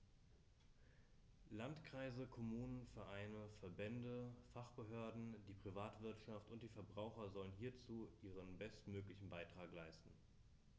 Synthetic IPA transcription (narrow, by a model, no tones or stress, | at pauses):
lantkʁ̥aɪzəkʰomuːnənfɛɐʔaɪnəfɛɐbɛndəfaχb̥əɦøːɐdn̩diːpʁ̥ivaːtv̥ɪɐtʃaftʊntd̥iːfɛɐbʁaʊxɐzɔlənɦiːɐt͡suːʔiːʁ̞ənbɛstmøːklɪçn̩baɪtʁ̥aːklaɪstn̩